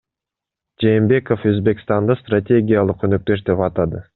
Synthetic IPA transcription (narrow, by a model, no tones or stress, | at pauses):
d͡ʒe̞ːmbe̞ko̞fø̞zbe̞kst̪ɑnd̪ɑst̪ratʲe̞ɡʲijalˠɯqønøk̚t̪ø̞ʃd̪e̞pɑt̪ɑd̪ɯ